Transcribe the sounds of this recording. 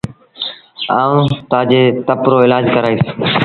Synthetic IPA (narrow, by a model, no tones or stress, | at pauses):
aːũːt̪aːd͡ʒeːt̪əpɾoːɪlaːd͡ʒkəɾaːiːs